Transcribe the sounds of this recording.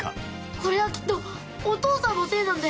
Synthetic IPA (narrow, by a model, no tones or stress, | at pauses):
a̰ | ko̞ɾe̞βakʲi̥t̪ːoː | t̪oːsamot̪e̞ːnãnd̪a